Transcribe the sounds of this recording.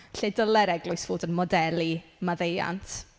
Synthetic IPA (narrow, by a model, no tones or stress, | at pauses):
ɬedəlˠɛɾɛɡlˠʊɨsv̥oːdənmɔdɛlˠimaðeja̰ntʰ